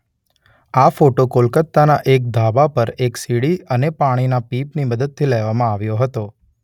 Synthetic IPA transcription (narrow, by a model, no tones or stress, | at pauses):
afoʈokolkət̪ːanaʔek̚d̪ʱabapəɾeksiɽiənepaɽ̃inapipniməd̪əd̪̚t̪ʰilɛʋamãaʋjoɦət̪o